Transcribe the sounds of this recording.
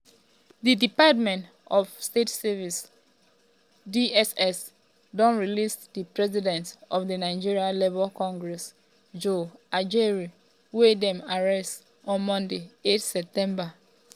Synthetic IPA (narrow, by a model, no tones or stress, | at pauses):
didipatmɛ̃nt | ɔfstetsɛvis | diɛsɛs | dɔ̃nɹilisdipɹɛzidɛ̃ntɔfdinaɪd͡ʒiɹialevɔlkɔ̃ŋɡɹɛs | d͡ʒoad͡ʒɛɹi | wedɛ̃maɹɛst | ɔ̃nmɔ̃ndeetsɛp̚tɛ̃mba